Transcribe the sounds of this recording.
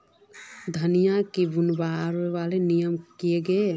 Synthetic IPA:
d̪ʱənijakebunbaɾeʋalenijəmkijeɡe

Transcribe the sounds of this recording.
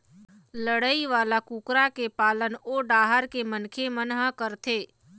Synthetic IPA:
ləɽəiʋaːlakuːkɾakepaːlənoːɖaːɦəɾkemənkʰemənɦãkəɾt̪ʰeː

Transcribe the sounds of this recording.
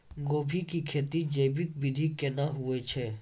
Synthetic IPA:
ɡoːbʱikikʰeːt̪id͡ʒeːbɪk̚bɪd̪ʱikenaɦuet͡ʃʰe

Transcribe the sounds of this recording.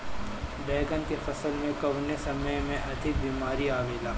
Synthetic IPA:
bɛːɡənkefɐsəlmẽkɐʋnesɐməjmẽʔɐt̪ʰɪk̚biːmaːɾiaːʋeːlaː

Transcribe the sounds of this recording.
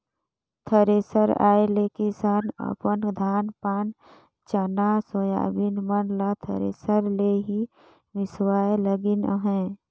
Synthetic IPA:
t̪ʰəɾeːsəɾa̰ːelekisaːnə̰pənd̪ʱaːnpaːn | t͡ʃənasoja̰ːbinmənlat̪ʰə̰ɾḛːsəɾleɦi | ʋɪswaːeləɡinɦɛ̃ː

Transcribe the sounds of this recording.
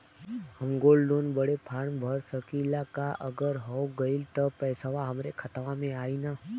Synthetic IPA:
həmɡoːlɖoːnbəɽepʰaːɳbʱəɾsəkiːlakaʔəɡəɾɦɔɡəilt̪əpɛːsaʋaɦəmɾekʰət̪ʋamẽaːinaː

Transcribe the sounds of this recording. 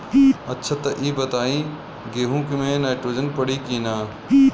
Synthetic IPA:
ɐtːʃʰat̪ɐʔiːbɐt̪aːĩː | ɡeːɦũkimẽːnaːɪʈɾoːd͡ʒənpɐɽikiːnaː

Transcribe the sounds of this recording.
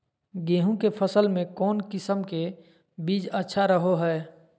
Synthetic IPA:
ɡeːɦũkepʰəsəlmẽkɔːnkɪsəmke | biːd͡ʒətːʃʰaɾəɦoɦɛː

